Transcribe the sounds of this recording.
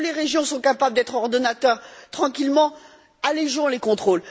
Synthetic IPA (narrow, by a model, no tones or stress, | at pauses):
leʁeʒjɔ̃sɔ̃kapabləd̪ɛt̪χɔʁd̪ɔnat̪œʁt̪χɑ̃kʲilmɑ̃ | aleʒɔ̃lekɔ̃t̪χol